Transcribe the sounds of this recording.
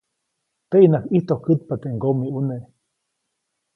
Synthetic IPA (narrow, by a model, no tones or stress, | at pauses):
t̪eʔinakiht̪okɨt̪̚pat̪eŋɡomiuneʔ